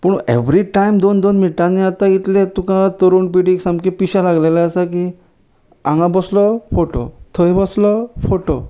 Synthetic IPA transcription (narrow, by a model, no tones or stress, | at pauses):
pəɳ̃ḛʋɾiʈajmd̪ond̪onmiʈaneat̪ãit̪let̪ukãt̪əɾuːɳpiɽiksãmkipiɕalaɡlelaasaki | ã̰ŋɡãbɔslɔfoʈo̰t̪ʰəjbɔslɔfoʈo